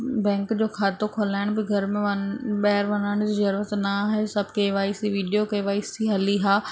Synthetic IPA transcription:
bɛ̃ːŋkd͡ʑoːkʰaːt̪okʰoːlaːɪɽ̃bɪɡʱɐɾmẽʋɐɓɐɦɪɾʋɐnaːɪɽ̃ʊd͡ʑiːzɐɾuːɾət̪nɐaːɦesɐbʱɪkeʋaːisiʋiːɖijokɐʋaːisiɦɐliɦaː

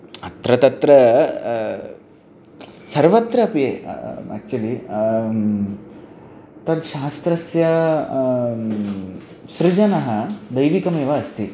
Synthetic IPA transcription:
ɐt̪ɾɐt̪ɐt̪ɾɐ | sɐɾʋɐt̪ɾɐːpjeːæ̰ːk̚t͡ʃuɐli | t̪ɐd̪ʃaːst̪ɾɐsjɐ | ʃɾɪd͡ʒɐnɐɦɐd̪ɐjʋikɐmeːʋɐːst̪i

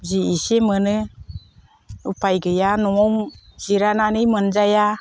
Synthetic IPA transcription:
ziisemɯnɯ | upʰajɡɯjanɔɔŋz̥iɾananɯjmɯnzaja

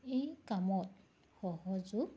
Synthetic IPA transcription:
ejkamɔt | xɔɦɔzu

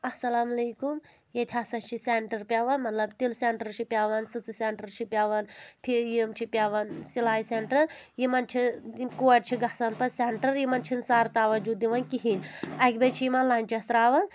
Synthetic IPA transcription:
ɐsɐlaːmɐlejkum | jɐt̪ʲʰaːsɐt͡ʃʰiseɳʈɐɾpʲaːʋɐnmɐt̪lɐbt̪ilseɳʈɐɾt͡ʃʰipʲjaːʋɐnsɨt͡sɨseɳʈɐɾt͡ʃʰipʲaːʋɐnpʰijimt͡ʃʰipʲjaːʋɐnsilaːjseɳʈɐɾjimɐnt͡ʃʰikuɐʈt͡ʃʰiɡɐsɐnpɐseɳʈɐɾjimɐnt͡ʃʰinsaːɾt̪aːʋɐd͡ʒud̪iʋɐnkiɦinʲɐkʲbɐt͡ʃʰijimɐnlaːnʲt͡ʃest̪ɾaːʋɐn

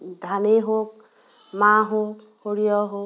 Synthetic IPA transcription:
dʱaneɦok̚ | maɦok | hoɹijɔɦo

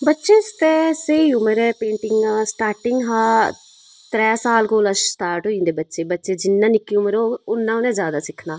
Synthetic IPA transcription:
bɐtːʃest̪esejumɐɾepeːɳʈiŋɡasʈaːɾʈiŋɡɦaː | t̪ɾɛːsaːlkoːlɐsst̪aːɾʈuind̪ibɐtːt͡ʃebɐtːt͡ʃed͡ʒinːɐnikːjumɐɾounːaːʋned͡ʒaːd̪asikʰnaː

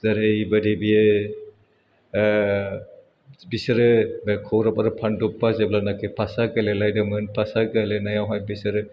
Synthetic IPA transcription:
zaɾɯibadibijɯ | bisɯɾɯbekʰɔwɾapaɾɯpʰandupːazeblanakʰepʰasaɡɯlelajdamɯnpʰasaɡɯlenajawɦajbisɯɾɯ

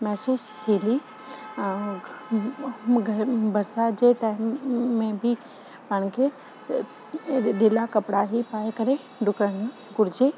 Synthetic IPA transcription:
mɛɦsuːst̪ʰiːnd̪i | ɡʱɐbɐɾsad͡ʑeʈaːɪmmẽbi | pɐɽ̃kʰe | ɗɪlakɐpɽaɦipaːekɐɾe | ɖʊkəɽ̃ | ɡʊɾɪd͡ʑe

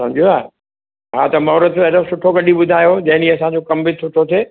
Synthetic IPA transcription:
sɐ̃md͡ʑʱijoaː | ɦaːt̪ɐmɐɦɾəd̪eɾosʊʈʰoɡɐɗiɓʊd̪ʱaːjod͡ʑɐ̃ɦɪ̃niɐsãd͡ʑokɐmbɪsʊʈʰot̪ʰeː

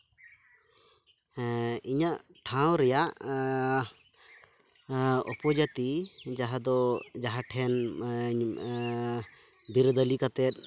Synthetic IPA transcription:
iɲaʔʈʰaw̃ɾɛjaʔ | ɔ̰pɔd͡ʒat̪id͡ʒaɦad̪ɔd͡ʒaɦaʈʰɛn | biɾd̪əlikat̪ɛt̪̚

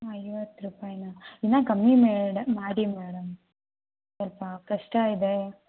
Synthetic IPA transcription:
ɐjʋɐt̪ːɾupaːjnɐid̪naːkɐmːimeːɖɐmːaːɽimeːɽɐm | sɔlpɐkɐʂʈɐːid̪e

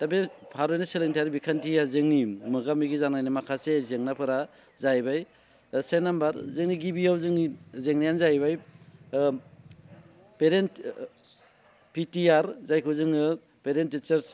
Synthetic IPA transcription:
tabepʰaɾojnaseleŋtʰiaɾibikʰantijazɯŋnimɯɡamiɡizanajnɯmakʰasezeŋnapʰɯɾa | zajbaj | senambaɾzɯŋniɡibijawzɯŋnizeŋnajanzajbaj | peɾent | pitiaɾzajkʰɯzɯŋɯ | peɾentːit͡ʃaɾs

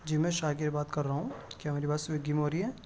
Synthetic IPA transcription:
d͡ʒimɛ̃ʃaːɡɪebaːt̪kɐɾːaɦũːkjaːmeːɾibaːsʋeɡimɦoːɾiɦɛ̃ː

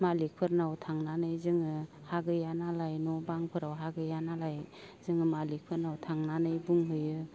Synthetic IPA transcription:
malik̚pʰɯɾnawtʰaŋnanɯjzɯŋɯ | haɡɯjanalajnɔbaŋpʰɯɾawɦaɡɯjanalaj | zɯŋɯmalik̚pʰɯɾnawtʰaŋnanɯjbuŋɦɯjɯ

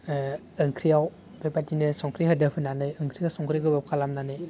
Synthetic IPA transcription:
ɯŋkʰɾiaw | bepatinɯsɔŋkʰɾihadəpʰɯnanɯjɯŋkʰɾiawsɔŋkʰɾiɡɯbap̚kʰalamnanɯj

